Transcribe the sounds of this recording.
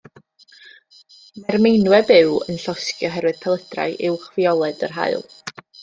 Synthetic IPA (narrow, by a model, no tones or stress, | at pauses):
mɛrmejnwɛbɪɨwə̰nɬɔskjɔɦɛɾwɨð̥pʰɛlˠəd̥ra̰ɨʔɪwχviɔlˠɛdərɦa̰ɨlˠ